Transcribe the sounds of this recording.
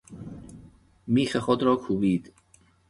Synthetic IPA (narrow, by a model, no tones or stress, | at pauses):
miːχəχɔdrɔɡ̥huwiːd̪̥